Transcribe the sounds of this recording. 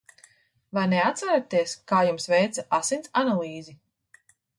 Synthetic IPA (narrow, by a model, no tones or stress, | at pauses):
vajnɛat̪saɾat̪iɛskaːjumsvɛjt̪saʔasint̪sanalˠiːzi